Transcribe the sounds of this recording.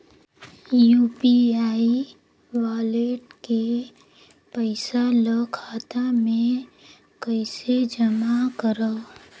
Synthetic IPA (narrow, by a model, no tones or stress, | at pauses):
juːpiaːi | waːleːʈke | pəɪsaləkʰaːt̪amẽ | kəɪsed͡ʒəmakəɾə